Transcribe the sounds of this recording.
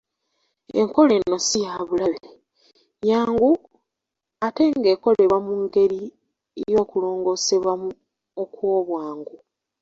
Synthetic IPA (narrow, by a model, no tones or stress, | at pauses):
ḛŋko̞le̞nːo̞sijaβulaβe | jaːŋɡu | ate̞ŋɡe̞ːko̞le̞βwamuŋɡe̞ɾi | ejo̞ːkulo̞ːŋɡo̞ːse̞βwamu | okwo̞ːβwaːŋɡu